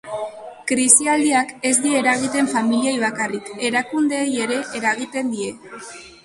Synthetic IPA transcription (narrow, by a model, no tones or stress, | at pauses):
kɾisiald̪iake̞zd̪ie̞ɾaɣ̞it̪e̞ɱfamiliajβ̞akarike̞ɾakund̪e̞ːje̞ɾe̞ʔeɾaɣ̞it̪e̞nd̪ie̞